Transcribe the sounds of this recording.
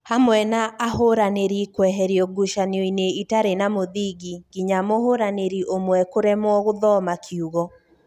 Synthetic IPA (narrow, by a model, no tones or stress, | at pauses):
hamwɛnaʔːhoɾaneɾikwɛɦɛɾiɔɡuʃaniɔineitaɾenamoðiɡiɡiɲamohoɾaneɾiʔomwɛkoɾɛmwɔɣoðɔmakʰiuɣɔ